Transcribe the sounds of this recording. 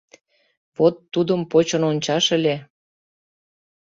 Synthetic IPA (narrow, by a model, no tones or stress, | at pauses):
βot̪ːud̪əmpot͡ɕə̆nonʲt͡ɕɑʃə̆lʲe